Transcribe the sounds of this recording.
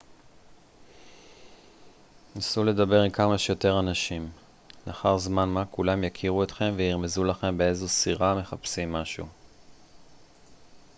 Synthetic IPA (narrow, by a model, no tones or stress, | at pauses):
nasule̞d̪abe̞ʁimkamaʃjo̞te̞ʁanaʃim | nʔaχaʁzmanmakulamjakʰiʁuet̪χe̞mveiʁme̞zulaχe̞mbe̞ezo̞siʁame̞χapsimːaʃṵ